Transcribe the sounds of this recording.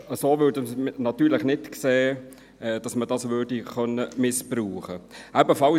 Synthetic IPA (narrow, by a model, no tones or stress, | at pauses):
əsoːʋødəsnɑt̪yːɾlɪχnɪtkseː | ɛd̥ɑsməd̥ɑsʋøːɾdiχœnːəmɪspruːχəæbəfɑl